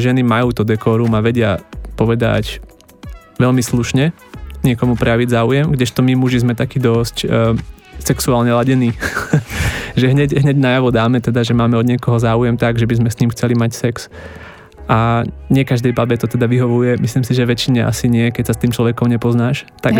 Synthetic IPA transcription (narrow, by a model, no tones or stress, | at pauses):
ʒɛnimajuːt̪ɔd̪ɛkɔːɾumaʋɛɟɪapɔʋɛd̪a̰c | ʋɛʎmisluʃɲɛ | ɲɪɛkɔmupɾɛjaʋiɟzaːujɛmɡɟɛʃt̪ɔmimuʒizmɛt̪akiːd̪ɔscː | sɛksuaːlɲɛlaɟɛniː | ʒɛɦɲɛɟɦɲɛɟnajaʋɔd̪aːmɛt̪ɛd̪aʒɛmaːmɛɔd̪ɲɪɛkɔɦɔzaːujɛmt̪aɡʒɛbizmɛsɲiːmxt͡sɛlimacsɛks | ʔaɲɪɛkaʒd̪ɛjbabɛt̪ɔt̪ɛd̪aʋiɦɔʋujɛmisliːmsiʒɛʋɛt͡ʃiɲɛʔa̰siɲɪɛkɛcsast̪iːmt͡ʃlɔʋɛkɔmɲɛpɔznaːʃt̪a